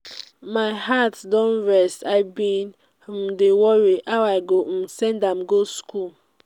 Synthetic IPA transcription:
maɪɦatdɔ̃nɹɛstaɪbĩn | m̩dewɔɹiʔawaɪɡom̩sɛ̃ndamɡoskul

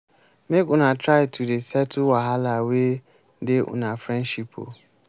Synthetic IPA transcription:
mekʊ̃natʰɾaɪtʰudesɛtʰuwaɦalawe | deʔʊ̰̃nafɾɛ̃nʃipʰo̰

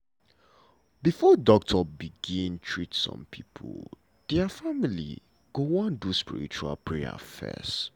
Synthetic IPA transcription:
bifɔdɔk̚tʰɔbiɡĩntʰɹitsɔ̰̃mpʰipʰṵl | dɛfamilḭ | ɡ̥owɔ̃nduspḭɹḭt͡ʃua̰lpɹɛa̰fɛ̰s

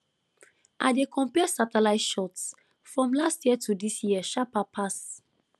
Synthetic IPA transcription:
ʔa̰ɪdekʰɔ̃mpɛsatɛlaɪtʃɔts | fɹɔ̃mlastjiətʰudisjiɛʃapapʰas

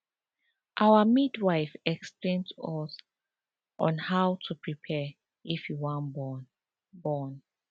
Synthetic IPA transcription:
ʔawəmidwajfɛksplẽntuɔs | ʔɔ̰̃nhawtʰupʰɹipʰɛ | ifjiwɔ̃nb | bɔn

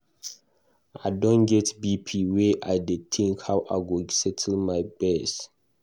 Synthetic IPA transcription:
aɪdɔ̃nɡɛtbipʰiwɛʔaɪditʰĩŋkhawʔaɪɡosɛtʰl̩maɪbɛs

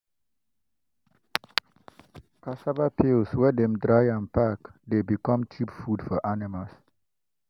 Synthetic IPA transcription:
kʰasabapʰilswɛdɛ̃mdɹajãnpakdebikɔ̃mt͡ʃipfudfɔʔanimals

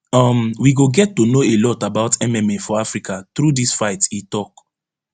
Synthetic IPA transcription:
ʌmwiɡoɡɛtːonoelɔtabaʊtʰɛmɛmefɔafɹikʰat̪ɾudisfaɪtitɔk

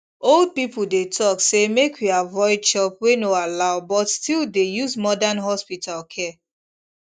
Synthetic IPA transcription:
old̚pipudetʰɔksemekʰwuavɔɪd̚t͡ʃɔpwenoalaʊbɔtstildejuzmɔdanɦɔspitʰalkʰɛ

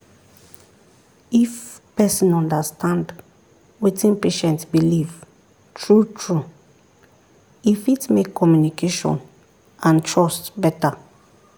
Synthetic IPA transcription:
if | pɛsĩnɔ̃ndastʰãnd | witĩnpeʃɛ̃ntbiliv | tʰɹutʰɹu | ifitmekʰːɔmjunikʰeʃɔ̰̃n | ãntʰɹɔstbɛta

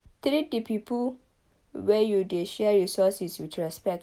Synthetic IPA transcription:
t̪ɾit̚dəpʰipə | wɛjudeʃɛɹisɔsiswitɹɛspɛk̚t

